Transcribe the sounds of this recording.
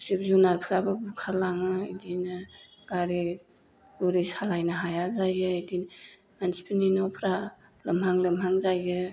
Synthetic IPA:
sip̚zunaɾpʰɾababukʰalaŋɯidinɯ | ɡ̥aɾi | luɾishalajnaɦajazajɯidin | mansi̥pʰininawpʰɾa | lɐmɦaŋlɯmɦaŋzajɯ

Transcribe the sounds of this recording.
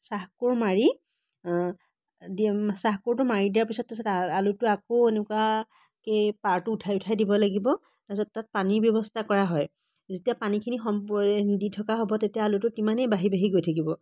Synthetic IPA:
saɦkuɹmaɹi | disaɦkuɹtʊmaɹidijaɹpisɔt̚pisɔtaalutʊakoenukwa | kepaɹtʊʊtʰajʊtʰajdibɔlaɡibɔ | tasɔttat̚panibjɔbɔstʰakɔɹaɦɔj | zetijapanikʰinixɔmpɛditʰɔkaɦobɔtetijaːlutʊtimanejbaɦibaɦiɡojtʰakibɔ

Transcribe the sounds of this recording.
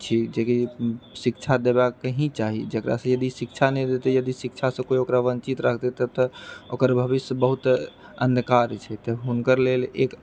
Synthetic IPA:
t͡ʃʰid͡ʒekisikt͡ʃʰad̪ebakkːəɦĩt͡ʃaɦid͡ʒəkɾʔa̰sə̃jəd̪isikt͡ʃʰanɛd̪et̪ejəd̪isikt͡ʃʰasə̃koiokɾaʋənt͡ʃit̪ɾəkʰt̪et̪ət̪ɔokəɾbʱəbisbəɦut̪ | ənd̪kaɾt͡ʃʰɛt̪ɔɦunkəɾlelḛk

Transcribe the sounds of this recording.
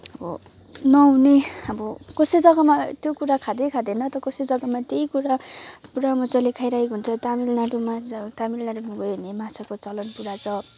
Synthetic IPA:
ʌbʌ̰ | nʌɦuneʌbʌkʌsed͡zʌɡamat̪jokuɾakʰad̪ejkʰad̪enʌt̪ʌkʌsed͡zʌɡamat̪eikuɾapuɾamʌt͡sʌlekʰajɾajkɦunt͡sʰʌt̪amilnaʈumat̪amilnaʈunũɡʌjɦunemat͡sʰakot͡sʌlʌnpuɾat͡sʌ

